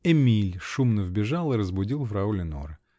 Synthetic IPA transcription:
ɛmʲilʲʂumnəvbʲɪʐalˠɨɾəzbʊdʲilˠvɾɐulʲɪno̰ɾɨ

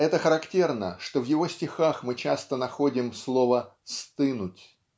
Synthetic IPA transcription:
ɛt̪əxəɾɐktʲe̞rnəʂt̪o̞vjɪvo̞sʲtʲɪxaxmɨt͡ɕast̪ənɐxo̞dʲɪmslˠo̞və | st̪ɨnʊtʲ

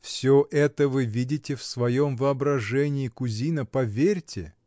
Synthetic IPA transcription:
fsʲoʔɛt̪əvɨvʲidʲɪtʲɪfsvɐjomvɨɐbɾɐʐɛnʲɪːkʊzʲinəpɐvʲerʲtʲɪ̰

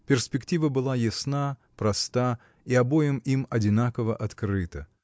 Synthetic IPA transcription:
pʲɪrspʲɪktʲivəbɨlˠajɪsna | pɾɐst̪a | iɐbo̞jɪmimɐdʲɪnakəvəʔɐt̪kɾɨt̪ə

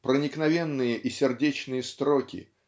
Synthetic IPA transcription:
pɾənʲɪknɐvʲenːɨjəʔisʲɪrdʲet͡ɕnɨjəst̪ɾokʲɪ̰

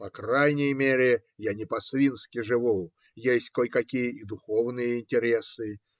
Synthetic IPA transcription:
pɐkrajnʲɪjəmʲeɾʲɪ | janʲɪpɐsvʲinskʲɪʐɨvu | jesʲtʲkojkɐkʲijəid̪ʊxovnɨjəɪnʲtʲɪɾʲesɨ

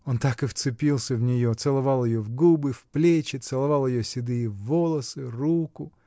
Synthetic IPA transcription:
o̞nt̪akɨft̪sɨpʲilˠsʲəvnʲɪjot̪sɨlˠɐvɑlˠjɪjovɡubɨfplʲet͡ɕɪt̪sɨlˠɐvalˠjɪjosʲɪd̪ɨjɪvːo̞lˠəsɨrukʊ

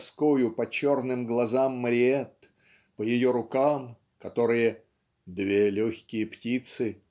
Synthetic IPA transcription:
skojʊpɐt͡ɕo̞rnɨmɡlˠɐzamːɾʲɪeɛt̪ | pəjɪjoɾʊkam | kɐt̪o̞ɾɨjə | d̪vʲelʲoçʲkʲɪjəptʲit̪sɨ

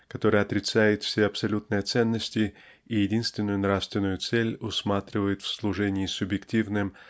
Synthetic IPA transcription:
kɐt̪o̞ɾəjəɐt̪ɾʲɪt̪sæjɪt̪fsʲeɐpsɐlʲut̪nəjət̪sɛnːəsʲtʲɪ | ijɪdʲinst̪vʲɪnːʊjʊnɾafst̪vʲɪnːʊjʊt̪sɛlʲʊsmat̪ɾʲɪvəjɪt̪fʲslˠʊʐɛnʲɪːsʊbjɪktʲivnɨm

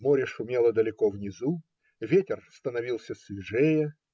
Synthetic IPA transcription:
moɾʲɪʂʊmʲelˠəd̪əlʲɪkovnʲɪzu | vʲetʲɪrst̪ənɐvʲilˠsʲəsvʲɪʐejə

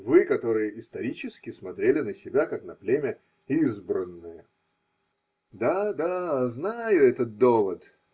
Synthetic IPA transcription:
vɨkɐt̪o̞ɾɨjəʔɪst̪ɐɾʲit͡ɕɪskʲɪsmɐt̪ɾʲelʲɪnəsʲɪbʲakaknɐplʲemʲə | izbɾənːɨjə | d̪ad̪aznajʊɛt̪ət̪̚d̪ovət̪

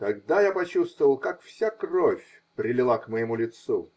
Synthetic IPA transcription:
t̪ɐɡd̪ajapɐt͡ɕust̪vəvəlˠkakfsʲakrofʲ | pɾʲɪlʲɪlˠakməjɪmulʲɪt̪sṵ

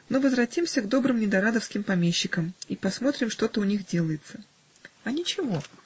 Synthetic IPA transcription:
novəzvɾɐtʲimsʲəɡd̪o̞bɾɨmnʲɪd̪ɐɾad̪əfskʲɪmpɐmʲeɕːɪkəmipɐsmo̞t̪ɾʲɪmʂt̪o̞t̪əʊnʲixdʲe̞lˠəjɪt̪sə̥ | ɐnʲɪt͡ɕɪvo̞

